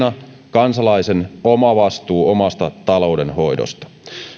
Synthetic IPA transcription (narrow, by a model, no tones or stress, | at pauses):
nɑ | kɑnsɑlɑisenomɑʋɑst̪uːomɑst̪ɑt̪ɑlo̞wde̞nho̞jdo̰st̪ɑ̥